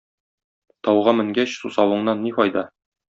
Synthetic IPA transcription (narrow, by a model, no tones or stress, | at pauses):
t̪ɒwʁɑmɘ̆ŋɡæɕsusɑwɤ̆ɴnɑnːiqɒjd̪ɑ